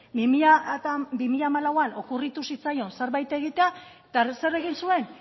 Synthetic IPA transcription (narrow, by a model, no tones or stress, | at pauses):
bimiʎabimiʎamalawano̞kurit̪usit͡sajo̞nseɾβajt̪e̞ɣ̞it̪eat̪ase̞re̞ɣinsue̞n